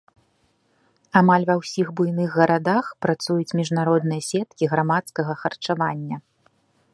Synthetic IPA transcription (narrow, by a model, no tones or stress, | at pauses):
amalʲvɐwsʲiɣbujnɨɣːɐɾad̪axpɾat̪sujut͡sʲmʲiʐnaɾɔd̪nɨjɐsʲɛt̪̚kʲiɣɾamat̪skɐɣɐxɐrt͡ʂavanʲːɐ